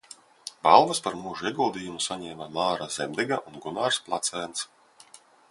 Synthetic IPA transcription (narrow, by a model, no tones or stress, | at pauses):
balˠvaspaɾmuʒuiɛɡulˠd̪iːjumusaɲɛːmamaːɾaz̥ɛmʲd̪ɛɡaʔunɡunaːɾsplˠat̪sɛːnt̪s